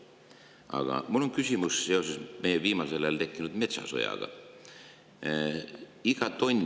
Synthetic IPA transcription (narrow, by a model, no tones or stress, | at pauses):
ɑ̰ɡ̥ɑ̰mulːo̞nkysʲimusse̞o̞sesme̞jeviːmɑse̞lelt̪e̞kːˑinud̪me̞t̪sɑ̰so̰jɑ̰ɡ̥ɑ̰ | iɡ̥ɑt̪o̞nʲ